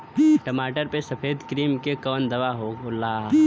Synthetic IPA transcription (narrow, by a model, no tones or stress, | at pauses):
ʈəmaːʈəɾpesɐpʰeːd̪kɾiːmkekɔːnd̪ɐʋaɦoolaː